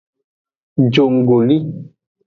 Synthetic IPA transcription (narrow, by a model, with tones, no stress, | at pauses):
d͡ʒo˨ŋ˨ɡo˨li˦